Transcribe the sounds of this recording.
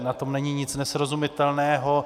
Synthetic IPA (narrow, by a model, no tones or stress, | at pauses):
nat̪o̞mnɛɲɪɲɪt͡snɛsɾozumɪt̪ɛlnɛːɦo